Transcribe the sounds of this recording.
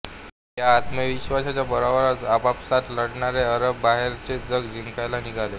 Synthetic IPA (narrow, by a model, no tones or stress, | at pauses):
ɦjaːt̪məʋiɕʋasat͡ɕjabəɾaʋɾat͡sapapsat̪ləɽɳaɾeəɾəbːaɦeɾt͡sed͡zəɡd͡ʑiŋkajlaniɡʱale